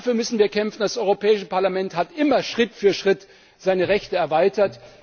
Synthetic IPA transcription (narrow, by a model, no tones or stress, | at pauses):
afyːɐmʏsn̩viːɐkʰɛmfn̩dasʔɔʏʁopʰɛːɪʃəpaɐlamɛnthatʔɪmɐʃʁ̥ɪtfyːɐʃʁ̥ɪt | z̥aɪnəʁɛçtəɛɐvaɪtɐt